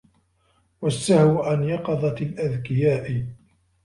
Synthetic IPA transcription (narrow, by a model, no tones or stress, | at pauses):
wasːahwʔanjɑqɑðˤɑt̪alʔaðkɪjaːʔɪ